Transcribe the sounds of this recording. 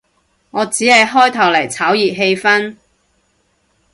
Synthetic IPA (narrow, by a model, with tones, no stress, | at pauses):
ŋɔː˨˧t͡siː˨˥hɐ˨jɦɔː˥jt̪ʰɐ˨˩wlɐ˨˩jt͡sʰaː˨˥wjiː˨p̚ɦe˧jfɐ˥n